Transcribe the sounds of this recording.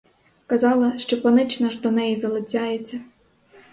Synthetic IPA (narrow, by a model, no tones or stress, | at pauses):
kɐzɑlˠɐʃt͡ʃɔpɔnɪt͡ʃnɐʒd̪ɔnɛjizɐlˠɪt͡sʲɑjet͡sʲːɐ